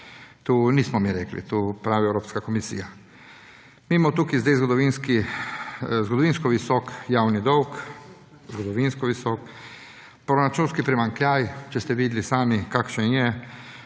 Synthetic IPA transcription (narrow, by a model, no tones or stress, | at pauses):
t̪uːniːsmɔmiɾeklḭt̪uːpɾaːʋiɛwɾoːpskakɔmisḭja | miːmɔt̪uːkizd̪ɛjzɡɔd̪ɔʋinski | zɡɔd̪ɔʋiːnskɔʋisɔkjawnid̪ɔwk | zɡɔd̪ɔʋinskɔʋisɔːk | pɾɔɾat͡ʃuːnskipɾimaŋkljajt͡ʃɛst̪ɛʋiːd̪lisaːmikaːkʃɛnjɛ